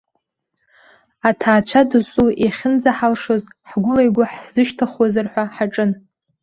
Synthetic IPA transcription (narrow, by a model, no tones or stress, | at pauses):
atʰaːt͡ɕʷʰadɨsʼueχʲɪnd͡zaħalʂozħɡʷʊlajɡʷaħz̥ɨʃtʰaχwazarħʷaħaʈ͡ʂʼɨn